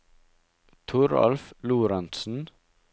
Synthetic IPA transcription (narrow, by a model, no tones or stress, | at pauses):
t̪ʰʊɾɑ̰lfluːɾɑnt̪sn̩